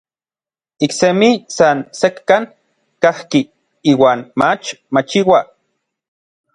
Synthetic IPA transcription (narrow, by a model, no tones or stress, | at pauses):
iksemisansekːan | kahki | iːwaːnmat͡ʃmat͡ʃiwa